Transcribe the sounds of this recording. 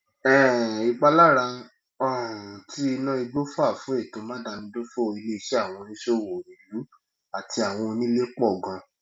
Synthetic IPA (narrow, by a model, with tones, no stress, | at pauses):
ɛ˦˨i˨ɡ͡ba˧la˦ɾa˧ | ɔ̃˦˨ti˦i˧nã˦i˧ɡ͡bo˦fa˦˨fũ˨˦e˦˨tõ˨˦mã˦da˧nĩ˧do˦fo˦˧i˧le˦i˧ʃe˦a˦˨w̃ɔ̃˧nĩ˦ʃo˦˨wo˨ĩ˨lu˨˦ | a˨tʰi˧a˨w̃ɔ̃˧nĩ˦le˦k͡pɔ˦˨ɡã˧